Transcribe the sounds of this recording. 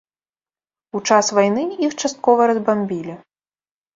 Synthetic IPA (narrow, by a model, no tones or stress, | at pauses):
ut͡ʂasvajnɨixt͡ʂast̪̚kɔvɐɾɐzbamʲbʲilʲɛ